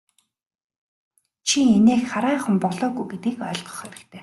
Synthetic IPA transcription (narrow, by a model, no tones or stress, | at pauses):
t͡ɕʰiŋeneːxχaɾæːχə̆mpɔɮɔːɣujɡet̪̚iːkœːɮʁɞ̥̆χæɾɪ̆kt̪ʰeː